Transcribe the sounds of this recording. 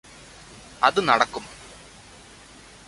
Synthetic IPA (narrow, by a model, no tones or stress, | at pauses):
ɐ̰ðɨnɐɽɐkːum